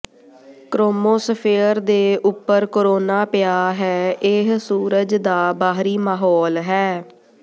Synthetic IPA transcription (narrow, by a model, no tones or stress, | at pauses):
kɾoːmoːsəpʰeːəɾd̪eːʔʊpːəɾkoɾoːnaːpɪjaːɦɛːʔɪɦsuːɾəd͡ʒd̪aːbaːɦɾiːmaːɦɔːlɦɛː